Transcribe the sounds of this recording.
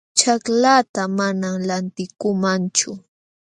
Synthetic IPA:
t͡ʃaklat̪amanamlant̪ɪkʊmant͡ʃʊ

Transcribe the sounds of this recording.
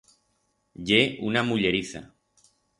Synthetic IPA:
ʎe̞unamuʎe̞ɾiθa̰

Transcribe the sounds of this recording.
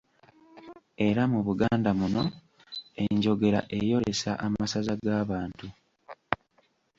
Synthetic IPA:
e̞ɾamuβuɡaːndamuno̞ | e̞ɲɟo̞ɡe̞ɾa̰ʔe̞jo̞ɾe̞sa̰ʔamasazaɡaːβaːntu

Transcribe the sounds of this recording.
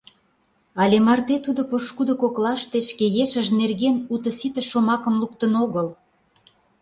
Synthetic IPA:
ɑlʲemɑrt̪et̪ud̪opoʃkud̪okoklɑʃt̪et͡ɕkejeʃəʒnerɣenut̪ə̆sit̪ə̆ʃːomɑkə̆mluk̚t̪ənoɣəl

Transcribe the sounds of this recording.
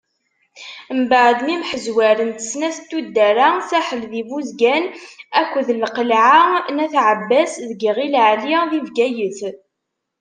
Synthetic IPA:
mbəʕd̪nimħəzwæɾənt̪ə̥snæθt̪ːud̪ːæɾasæħəlðivuzɡænækʷːðlqəlʕanæθʕəbːæsðəɡʁilʕliðivɡæjəθ

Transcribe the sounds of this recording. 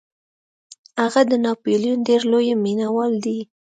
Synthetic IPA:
haɣad̪ənɑpolijunɖeɾlojminawɑld̪i

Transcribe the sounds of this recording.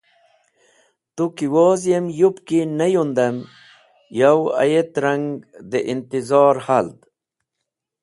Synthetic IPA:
t̪ukiwoːzjemjupkinɐjund̪ɐm | jawɐ̰jet̪ɾaŋɡd̪eʔint̪izɑːɾhald̪

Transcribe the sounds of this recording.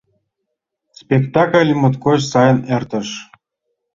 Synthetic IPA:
spʲekt̪ɑkəlʲmot̪kot͡ɕsɑjə̆nert̪ə̆ʃ

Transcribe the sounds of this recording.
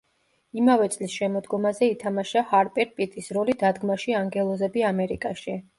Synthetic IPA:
imavɛt̪sʼlisʃɛmɔd̪ɡɔmazɛit̪ʰamaʃahaɾpʼɛɾpʼit̪ʼisɾɔlid̪ad̪ɡmaʃiaŋɡɛlˠɔzɛbiamɛɾḭkʼaʃi

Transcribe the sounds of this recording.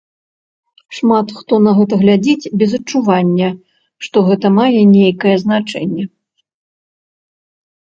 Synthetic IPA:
ʂmat̪xt̪ɔnɐɣɛt̪ɐɣlʲad͡zʲit͡sʲbʲɛzɐt͡ʂːuvanʲːɐ | ʂt̪ɔɣɛt̪ɐmajɛnʲejkɐjɛznat͡ʂɛnʲːɛ

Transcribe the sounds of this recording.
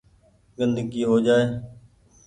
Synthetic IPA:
ɡənd̪əɡiːɦoːd͡ʒaːeː

